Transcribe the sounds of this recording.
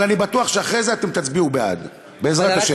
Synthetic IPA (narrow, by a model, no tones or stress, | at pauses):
anibat̪uaχʃeaχʁezeat̪emt̪at͡sbiubea̰d̪ | be̞ezʁatt̪aʃe